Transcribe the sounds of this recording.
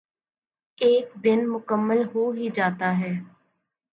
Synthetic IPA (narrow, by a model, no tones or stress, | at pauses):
eːkd̪ɪnmʊkəmːəlɦoːɦiːd͡ʒaːt̪aːɦɛː